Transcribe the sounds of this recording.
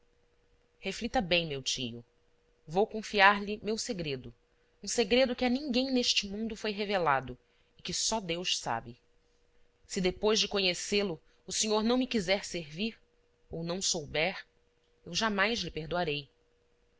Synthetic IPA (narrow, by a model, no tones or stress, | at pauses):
heflit̪ɐbẽj̃mewt͡ʃḭjʊ̰ | vowkõfiaɾlɪmewseɡɾed̪ʊ | ũseɡɾed̪ʊkɪɐnĩŋɡẽj̃neʃt͡ʃɪmũnd̪ʊfojɦevelad̪ʊ | ɪkɪsɔd̪ewʃsa̰bɪ | sɪd̪epojzd͡ʒɪkoɲeselʊː | siɲoɾnɐ̃w̃mɪkizɛɾseɾviɾ | ownɐ̃w̃sowbɛɾ | ewʒamajʃlɪpeɾd̪oaɾej